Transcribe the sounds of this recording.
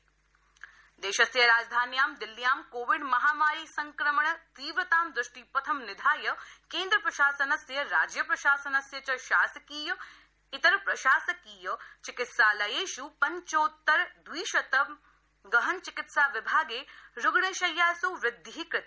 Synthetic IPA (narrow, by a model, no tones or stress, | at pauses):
d̪eːʃɐsjɐɾaːd͡ʒd̪ʱaːnjaːmd̪ɪlːijaːmkoːʋɪɖmɐɦaːmaːɾiːsɐŋkɾɐmɐɳɐt̪iːʋɾɐt̪aːmd̪ɾʊʃʈipɐt̪ʰɐmnɪd̪ʱaːjɐkeːnd̪ɾɐpɾɐʃaːsɐnɐsjɐɾaːd͡ʒjɐpɾɐʃaːsɐnɐsjɐt͡ʃɐʃaːsɐkiːjɐ | ɪt̪ɐɾpɾɐʃaːsɐkiːjɐt͡ʃɪkɪt̪saːlɐjeːʃupɐɲt͡ʃoːt̪ːɐɾd̪wiːʃɐt̪ɐ | ɡɐɦɐnt͡ʃɪkɪt̪saːʋɪbʱaːɡeːɾʊɡɳeːʃɐjːaːsuʋɾɪd̪ʱːɦik̪